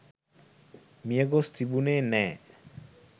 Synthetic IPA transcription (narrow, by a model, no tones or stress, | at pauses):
mijaɡɔst̪ibunenɛ